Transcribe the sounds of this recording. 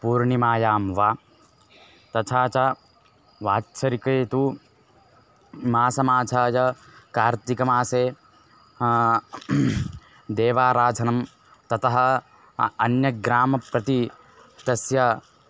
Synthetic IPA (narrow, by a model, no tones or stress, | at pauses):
puːɾɳimaːjaːmʋaː | t̪ɐt͡ʃʰaːt͡ʃɐ | ʋaːtːt͡ʃɐɾikɐːt̪u | maːsɐmaːt͡ʃʰaːjɐkaːɾt̪ikɐmaːseː | d̪eːʋaːɾaːd͡ʒʱɐnɐm | t̪ɐt̪ɐɦɐ̆ | ɐnjɐɡɾaːmɐpɾɐt̪i | t̪ɐsjɐ